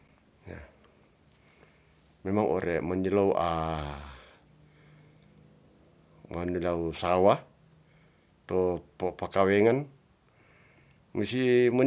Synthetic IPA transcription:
ja̰ | memaŋʔo̰ɾemanilauʔa | manilausawa | t̪opapakaweŋan | musima

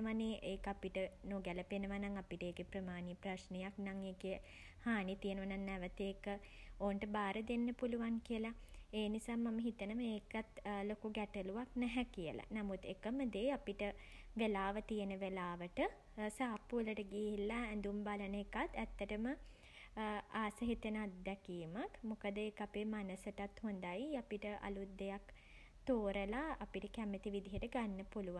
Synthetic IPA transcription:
ʋaniʔeːkapiʈənoɡɛləpenəʋanaŋapiʈəeːkepɾəmaːnipɾaʃnejaknaŋeːke | haːnit̪ijənəʋanaŋːɛʋət̪eːkə | oːnʈəbaːɾəd̪enːəpuluʋaŋkijəlaeːnisaːmaməɦit̪ənəməeːkat̪lokuɡɛʈəluʋaknɛɦɛkijə̰la̰namut̪ːekəməd̪eːapiʈəʋelaːʋət̪ijənəʋelaːʋəʈə | saːpːuələʈəɡiɦilːaɛnd̪umbalənəekat̪ːæt̪ːəʈəmə | aːsəɦit̪ənat̪d̪ɛkiːmakmukəd̪əekapeːmanəsəʈat̪hond̪ajapiʈəʔa̰lut̪̚d̪ejak | t̪oːɾəlaːpiʈəkæmət̪iʋid̪ʱiɦəʈəɡanːəpuluʋa

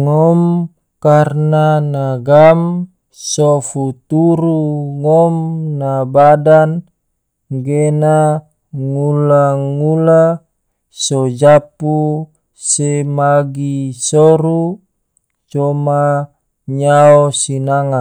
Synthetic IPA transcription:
ŋɔm | karnanaɡam | sɔfut̪uɾuŋɔmnabadan | ɡena | ŋulaŋula | sɔd͡ʒapu | semaɡisɔɾu | t͡ʃɔma | ɲaosinaŋa

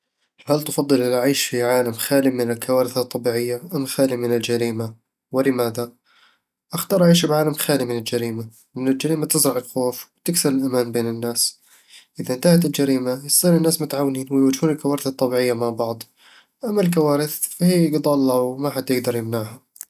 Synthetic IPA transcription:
halt̪fɑd̪ˤːɨlʔɪlaʕiːʃfiʕaːlamxaːlimɪnɪlkʰawaːɾɪθat̪ˤːɑbiːʕɪjːaʔamxaːlimɪnɪld͡ʒaɾiːma | wɪlɪmaːða | ʔaxt̪ɑːɾˤʔaʕiːʃbʕaːlamxaːlimɪnɪld͡ʒaɾiːma | mɪnɪld͡ʒaɾiːmat̪ɪzɾˤɑʕɪlxoːfwɪt̪ɪksɪɾɪlʔamaːnbeːnɪnːaːs | ʔɪðaʔɪnt̪ahat̪ɪld͡ʒaɾiːmajɪsˤt̪ˤiːnɪnːaːsmʊt̪ʕaːwːɪniːnwɪjwad͡ʒhuːnɪlkawaːɾɪθɑt̪ˤːɑbiːʕɪjːamaʕbɑʕd̪ˤ | ʔamːalk̬awaːɾɪθfahiːɪɡd̪ˤɑlːɑwmaħad̪jɪɡd̪ɑɾˤjɪmnaʕha

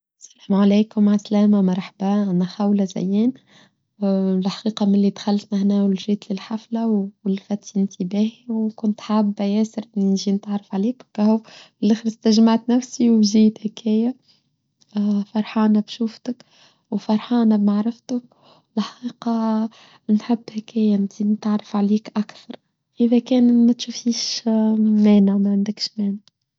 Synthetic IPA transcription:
sælæːmʕaleːkʊmʕaslæːmamɑɾˤħabæʔænæxawlæzæ̰jːiːn | lħḁqiːqɑmɪnlid̪xalːt̪næhnæːwɪlʒiːt̪lɪlħaflawɪlfæt̪ːɪnt̪ibæːhiwkʊnt̪ħaːbːæjæːsɪɾʔɪnːinʒiːnt̪aʕɾˤɑfʕaleːkkːæhu | lʔɪxɾst̪aʒmaʕt̪næfsiwbʒiːt̪hækʰæːja | fɑɾˤħɑːnæbʃuːft̪ək | wfɑɾˤħɑːnæbmaʕɾˤɪft̪ʊk | ɪlħɑqiːqɑ | nħɪbːhækæːjænziːnt̪aʕɾˤɑfʕaliːkʔakθɑɾˤ | ʔɪðækɛːnmæt̪ʃufiːʃ | mæːnamæʕand̪əkʃmæːna

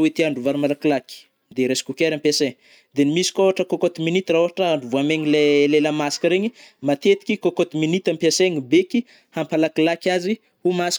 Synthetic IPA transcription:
wit̪iaɳɖ͡ʐuvaɾimalakilaki̥ | d̪eɾesi̥kukʲeɾampjaseɲi | d̪enimisi̥kʲoɦaʈ͡ʂəkokot̪iminit̪raoɦaʈ͡ʂəaɳɖ͡ʐuvuameɲileleləmasi̥kəɾeɲimat̪et̪i̥kʲikokot̪iminit̪ampjaseɲibeki | hampalakilakʲazi | humasi̥

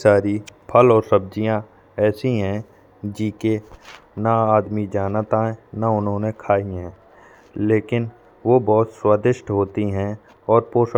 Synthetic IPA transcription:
saːɾipʰəlɔːɾsɐb̚d͡ʒijã | ɛːsĩɦɛ̃ | d͡ʒiːkenaaːd̪mid͡ʒaːnət̪ãɦɛ̃naʊnɦõːnekʰaːiɦɛ̃ː | leːkɪn | ʋobɔːʊt̪swaːd̪ɪʃʈɦoːt̪iɦɛ̃ | ɔːɾpoːʃ

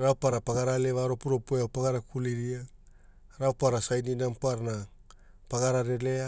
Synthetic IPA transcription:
ɾawpaɾapaɡaɾale̞βaɾo̞puɾo̞poeawpaɡaɾakuliɾia | ɾawpaɾasajninampaɾna | paɡaɾaɾele̞a

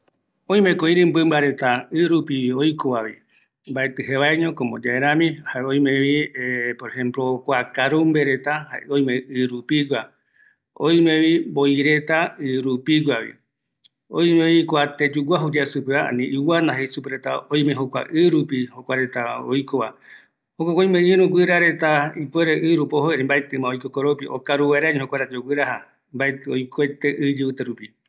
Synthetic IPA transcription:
õ̞j̃mẽkoĩɾɨ̃mbɨmbaɾe̞t̪aɨɾupiojkoβaβi | mbaet̪ɨɦeβaeɲõkomod͡ʒaeɾãmĩhaeõj̃mẽβiepoɾehẽ̞mplokʷakaɾumbeɾe̞t̪aha̰eõj̃mẽɨɾupiɡʷa | o̰j̃mẽβimboiɾe̞t̪aɨɾupiɡʷaβḭ | oj̃meoikoat̪ed͡ʒuɡʷaɦuɾiasupeaa̰nĩʔɨwanãɦesupeɾet̪a̰oj̃mẽɦokʷa̰ʔɨɾupihokʷaɾet̪ao̰jkoβa | hokʷakʷoj̃mẽɲẽɾũɡʷɨɾaɾe̞t̪aipweɾeʔɨɾupoɦoeɾembaet̪ɨ̃mãojkokoɾopiʔo̰kaɾuwaɾaɲẽhokʷaɾet̪aoɡʷɨɾaɦa | mbaet̪ojkoet̪eʔɨd͡ʒeut̪eɾupi

